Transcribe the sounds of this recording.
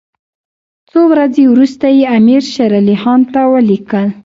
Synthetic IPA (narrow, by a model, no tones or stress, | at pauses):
t͡sowɾad͡zewɾust̪ajeamiɾʃaɾalihɑnt̪awəlikəl